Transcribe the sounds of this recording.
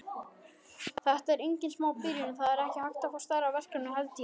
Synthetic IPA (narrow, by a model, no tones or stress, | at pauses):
θɛht̪aɛɾejɲcɪnsmaːwpiɾjʏnʏθaðɛɾɛhcɪhajxt̪afɔst̪aɾavɛr̥kɾanʏɦɛlt̪i